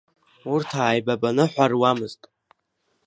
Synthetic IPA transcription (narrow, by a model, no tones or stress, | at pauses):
urtʰaːjbabanɨħʷarwamɨztʼ